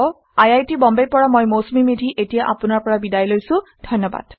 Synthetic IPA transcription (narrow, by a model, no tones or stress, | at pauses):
ajajtibɔmbejpɔɹamojmosmimedʱiʔetijaʔapʊnaɹpɔɹabidajlojsʊ̃dʱɔjnːɔba̰d̥